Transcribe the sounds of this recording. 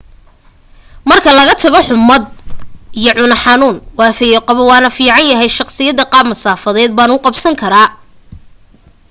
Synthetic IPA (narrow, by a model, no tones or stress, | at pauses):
mɐrkʰɐlɐɣɐt̪ʰɐɣɔħʊmɐd̪̚ijɔʕʊnɐħɑnuːnwɑːfɛjɔqɑβɔwɑːnɐfiːʕɑnjɐɦɛjʃɑqsɪjɐðɐqɑːbmɐsaːfɐðɛːd̪̚baːnʊqɑbsɐŋkʰɐɾaː